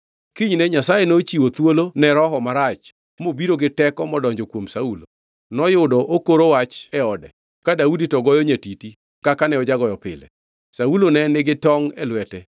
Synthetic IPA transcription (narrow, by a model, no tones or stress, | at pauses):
kiɲnɛɲasajenot͡ʃiwot̪wolonɛɾɔɦɔmaɾat͡ʃ | mobiɾoɡɪtɛkɔmɔdɔɲd͡ʒokwomsaulo | nɔjʊdɔʔokoɾowat͡ʃɛɔdɛ | kadauditɔɡɔjɔɲatiti | kakanɛɔd͡ʒaɡɔjɔpɪ̰lɛ̰ | saulonɛnɪɡɪtɔŋɛlwɛtɛ